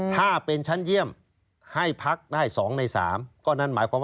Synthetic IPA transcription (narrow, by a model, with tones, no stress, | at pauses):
t̪ʰaː˥˩pe˧nt͡ɕʰa˦˥nji˥˩əm | ha˥˩jpʰa˦˥k̚daː˥˩jsɔː˩˦ŋna˧jsa̰ː˩˦mkɔː˥˩na˦˥˩nmaː˩˦jkʰwaː˧m˦